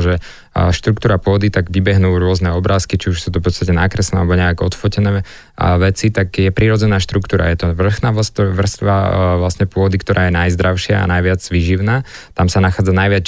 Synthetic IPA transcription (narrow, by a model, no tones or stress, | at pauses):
ʒɛ | ʃt̪ɾukt̪uːɾapʊɔd̪it̪aɡʋibɛɦnuːɾʊɔznɛɔbɾaːskit͡ʃiuʃsuːt̪̬ɔfpɔtt͡sst̪acɛnakɾɛsnɛalɛbɔɲɛakɔt̪fɔcɛnɛː | ʋɛt͡sit̪aɡjɛpɾiɾɔd͡zɛnaːʃt̪ɾukt̪uːɾa̰jɛt̪ɔʋr̩xnaːʋst̪ʋr̩st̪ʋa̰ʋlasɲɛpʊɔd̪ikt̪ɔɾʔaːjɛnajzd̪ɾaʊʃɪa̰a̰najʋɪad͡zʋiːʒiʊnaːt̪amsanaxaːd͡zanajʋɪat͡s